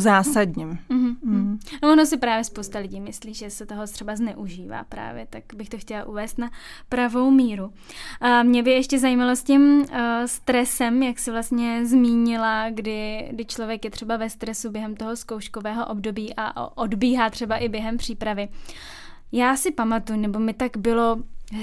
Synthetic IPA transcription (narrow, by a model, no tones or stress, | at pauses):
zaːsadɲim̩ɦ̩novonosɪpɾaːvjɛspowst̪alɪɟiːmɪsliːʒɛsɛt̪oɦot̪r̥ɛbaznɛʔuʒiːva̰ːpɾa̰ːvjɛt̪akbɪxt̪oxcɛlaʔuvɛːst̪napɾavo̞wmiːɾu | mɲɛbɪjɛʃcɛzajimalo̞scɪmst̪ɾɛsɛmjaksɪvlast̪ɲɛzmiːɲɪlaɡdɪɡdɪt͡ʃlo̞vjɛkjɛt̪r̝̥ɛbavɛst̪ɾɛsubjɛɦɛmt̪o̞ɦo̞sko̞wʃkovɛːɦo̞ʔobdo̞biːʔa̰ʔodbiːɦaːt̪r̝̥ɛbaʔɪbjɛɦɛmpr̝̥iːpɾavɪ | jaːsɪpamat̪ujnɛbo̞mɪt̪aɡbɪlo̞